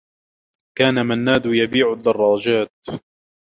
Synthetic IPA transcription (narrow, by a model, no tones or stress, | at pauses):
kaːnamanːaːd̪jabiːʕʊd̪ːɑrˤːɑːd͡ʒaːt̪̚